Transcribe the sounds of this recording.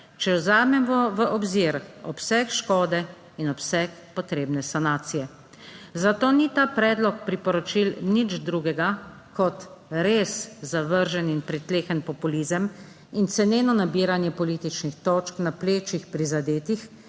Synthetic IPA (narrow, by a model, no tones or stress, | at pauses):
t͡ʃɛwzaːmɛmʋɔʋəʔɔbziɾɔpsɛkʃkɔːd̪ɛ | inɔpsɛkpɔt̪ɾeːbnɛsanaːt̪sijɛ | zat̪oːnit̪aːpɾɛːd̪lɔk̚pɾipɔɾɔt͡ʃilnid͡ʒd̪ɾuɡɛɡa | kɔt̪ɾeːszaʋəɾʒɛninpɾit̪leːxənpɔpulizəm | int̪sɛneːnɔnabiɾanjɛpɔlit̪it͡ʃnixt̪ɔːt͡ʃknapleːt͡ʃixpɾizad̪eːt̪ix